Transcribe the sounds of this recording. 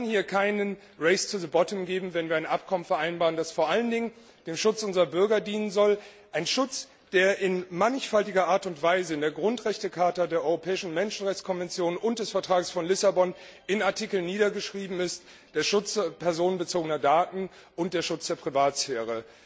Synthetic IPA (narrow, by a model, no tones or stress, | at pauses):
nhiːɐkʰaɪnən | ʁɛɪst͡suzəbɔtəmɡeːbm̩vɛnviːɐaɪnʔapkʰɔmənfɛɐʔaɪnbaːʁəndasfoːɐʔaləndɪŋən | d̥eːmʃʊt͡sʔʊnzʁɐbʏɐɡɐdiːnənzɔl | ʔaɪnʃʊt͡s | d̥eːɐʔɪnmanɪçfaltɪɡɐʔaːɐtʊntv̥aɪzəɪndeːɐɡʁʊntʁɛçtəkʰaɐtadeːɐʔɔʏʁopʰɛːɪʃn̩mɛnʃn̩ʁɛçt͡skʰɔnvɛnt͡sjoːnʊnt̚d̥ɛsfɛɐtʁ̥aːɡəsfɔnlɪsabɔnʔɪnaɐtʰikl̩nːiːɾɐɡəʃʁ̥iːbm̩ɪst | d̥eːɐʃʊt͡spʰɛɐzoːnənbət͡soːɡənɐdaːtn̩ | ʔʊnt̚d̥eːɐʃʊt͡sd̥eːɐpʁ̥ivaːtsfeːʁ̞ə